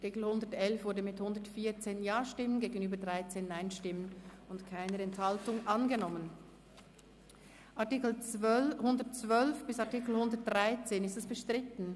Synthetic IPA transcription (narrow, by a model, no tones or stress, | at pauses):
atɪkl̩hʊndətɛlfvʊɐdəmɪthʊndətfiːɐt͡seːnjaːʃtɪmənɡeːɡənyːbədʁaɪt͡seːnːaɪnʃtɪmənʊntkʰaɪnəɾɛnthaltʊŋʔanɡənɔmən | ʔaɐtikl̩t͡svœhʊndətt͡sv̥œlfb̥ɪsaɐtikl̩hʊndəɐt̚d̥ʁaɪt͡seːnɪstɛsb̥əʃtʁ̥ɪtn̩